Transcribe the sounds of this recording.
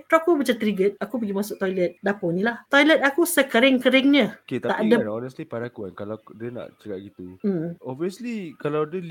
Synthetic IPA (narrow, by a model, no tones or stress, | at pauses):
t̪ɾaakubət͡ʃat̪ɾiɡət̪̚akup̬əɡimasʊʔ̚t̪ɔjlət̪̚daponĩlaht̪ɔjlət̪̚akusəkəɾɪŋkəɾɪŋɲə̃ket̪t̪aʔdənɔnəslipanakuɛnkalawdəna̰ʔt͡ʃəkaʔ̚ɡit̪um̩ɔviəslikalawdəl